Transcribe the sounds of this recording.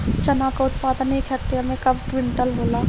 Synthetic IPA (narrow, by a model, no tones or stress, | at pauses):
t͡ʃɐnakaʊt̪paːd̪ənikʰɛɾt̪iamẽkɐb̚kʋɪɳʈəlboːlaː